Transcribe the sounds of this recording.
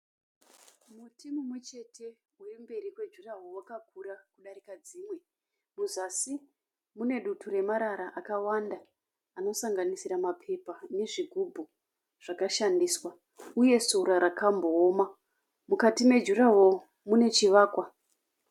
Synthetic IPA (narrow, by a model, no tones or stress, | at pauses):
mutʰimumwe̞t͡ʃe̞tʰe̞ | urimbe̞ɾikwe̞d͡ʒuraɦowakak̚uɾakuɗaɾikad͡ziːmwe̞ | muzasi | mune̞ɗuture̞maɾaɾaʔakawandaː | no̞saŋɡanisiɾamapʰe̞pane̞ʐiɡʱubʱu | ʐ̥akaʃandiswa | uje̞soɾaɾakambo̞ːma | mukatime̞d͡ʒuɾaɦo̞ | mune̞t͡ʃiʋaːkwa